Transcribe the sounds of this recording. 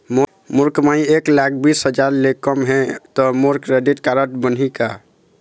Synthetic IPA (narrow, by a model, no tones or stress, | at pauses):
mo | muɾkmaĩeklak̚ʰbisɦəd͡ʒaɾlekəmɦɛ̃t̪ɔmoɾkɾeɖiʈkaɾəʈbənɦika